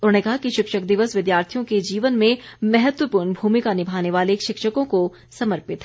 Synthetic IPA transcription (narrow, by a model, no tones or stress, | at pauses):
ʊɾekɐɦakiʃɪkʃəkd̪ɪʋəsʋɪd̪jaːɾt̪ʰijõked͡ʒiːʋənmẽmɛɦət̪wəpuːɾɳbʱuːmɪkanɪbʱaːneʋaːlekʃɪkʃəkõko | sɐməɾpɪt̪